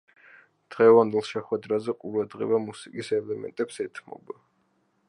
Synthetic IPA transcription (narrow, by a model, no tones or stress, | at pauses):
d̪̥ʁɛvand̪ɛlˠʃɛχwɛd̪ɾazɛqʼuɾad̪ʁḭvamusikʼisɛlɛmɛ̰nt̪ʼɛpsɛt̪ʰmɔ̰ba